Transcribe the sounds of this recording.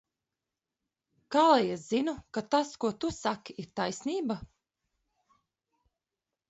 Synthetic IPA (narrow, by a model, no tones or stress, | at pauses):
kaːlˠɛjɛszinukat̪askuɔt̪usakiʔiɾt̪ajsniːba